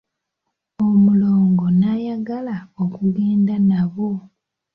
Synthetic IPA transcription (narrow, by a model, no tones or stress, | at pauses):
omuloːŋɡo̞najaɡalaokuɡeːndanaβo